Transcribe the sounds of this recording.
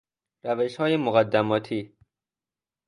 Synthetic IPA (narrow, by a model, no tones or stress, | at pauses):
ɾæveʃhɒːjemoɣæd̪ːæmɒːt̪ʰiː